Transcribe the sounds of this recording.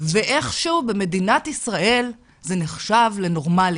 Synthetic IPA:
veʔe̞χʃuube̞me̞dinat̪isʁae̞l | zeneχʃavle̞no̞ʁmal

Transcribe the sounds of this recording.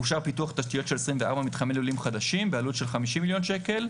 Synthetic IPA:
uʃaʁpituaχt̪aʃtijo̞tʃe̞lesʁimveaʁbamit̪χamelulimχad̪aʃimbealutʃe̞lχamiʃimːiljo̞nʃe̞ke̞l

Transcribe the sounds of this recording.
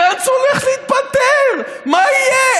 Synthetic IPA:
ant͡soleχliit̪̚pat̪eʁ | maije

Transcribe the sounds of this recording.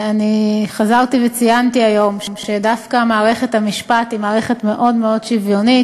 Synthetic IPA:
aniχazaʁt̪ivet͡sijantiajo̞mmʃedafkamaːʁe̞χe̞t̪hamiʃpat̪imaːʁe̞χe̞tme̞ʔo̞dme̞o̞dʃivjo̞nit

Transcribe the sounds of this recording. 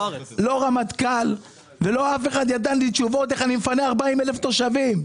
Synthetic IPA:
lo̞ʁamat̪kal | velo̞afe̞χad̪jad̪anlit͡ʃuvo̞t̪eχanimfaneaʁbaimeleft̪o̞ʃavim

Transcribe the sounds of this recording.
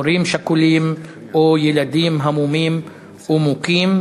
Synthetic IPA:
oɾimʃakulim | ojelad̪imɦamumim | umukim

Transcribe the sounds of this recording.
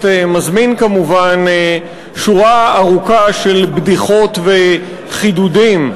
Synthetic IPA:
temazminkamuvan | ʃuʁaːʁukaʃelbd̪iχo̞t̪ve | χid̪udim

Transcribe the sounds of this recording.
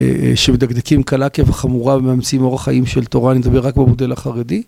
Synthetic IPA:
ʃemed̪aɡd̪ekimkalakeveχamuʁabemeamt͡simo̞ʁaχaʔimʃelt̪o̞ʁanimed̪abeʁːakbemod̪e̞laχaʁedi

